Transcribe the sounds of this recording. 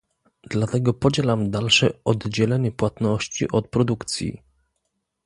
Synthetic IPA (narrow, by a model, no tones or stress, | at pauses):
d̪lat̪ɛɡɔpɔd͡ʑelamd̪alʂɛɔd̪d͡ʑɛlɛɲɛpwat̪nɔɕt͡ɕḭʔɔt̪̚pɾɔd̪ukt̪sʲjḭ